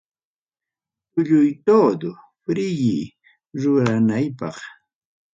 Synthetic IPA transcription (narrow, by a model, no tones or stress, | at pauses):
kʊʎʊjt̪oːd̪ʊ | pɾɪjɪ | ɾʊɾanajpɑ̰χ